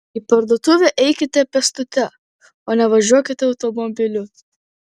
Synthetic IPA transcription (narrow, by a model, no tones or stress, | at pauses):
iːpɐɾd̪oɔt̪ʊʋʲɛʔɛɪkʲɪt̪ʲɛpʲɛst̪ʊt̪ʲɛ | oːnʲɛʋɐʒʲuɔkʲɪt̪ʲɛɐʊt̪ɔmɔbʲɪlʲʊ